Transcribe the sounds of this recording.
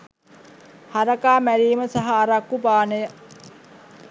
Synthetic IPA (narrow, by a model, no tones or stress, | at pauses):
haɾɐkaːmæɾiːməsaɦaːɾakːubaːnəjə